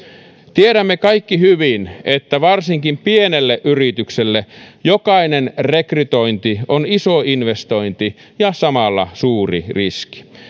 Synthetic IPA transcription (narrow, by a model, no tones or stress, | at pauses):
t̪ieɾæmːekɑikːihyʋinet̪ːæʋɑrsiŋkimpienelːeʔyrit̪ykselːejokɑinenrekryt̪oint̪ionisoinʋest̪oint̪i | jɑsɑmɑlːɑ̰suːrḭriski̥